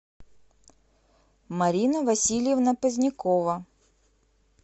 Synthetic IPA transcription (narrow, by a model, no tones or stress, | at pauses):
mɐɾʲinəvɐsʲilʲɪjɪvnəpəzʲnʲɪkovə